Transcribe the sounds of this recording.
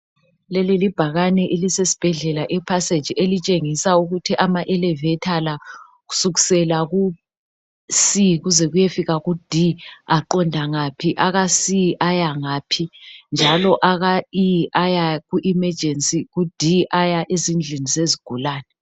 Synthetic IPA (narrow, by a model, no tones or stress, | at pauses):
lɛlilib̥ʱaɣanɛʔelisesi̥b̥ʱɛɮɛlaʔɛpʰase̥d͡ʒ̥ʱielit͡ʃʼeŋisauɣutʰiʔamaʔɛlɛvɛtʰala | ɣu̥suɣisɛlaɣu | siɣuzɛɣujefiɣaɣud̥ʱiaǃɔndʱaŋapʰiʔaɣasiʔajaŋaːpʰind͡ʒʱalɔʔaɣaiajaɣuʔimɛd͡ʒʱensʼiɣud̥ʱiʔajaʔezind͡ɮʱinizeziɡ̥ʱulaːnɛ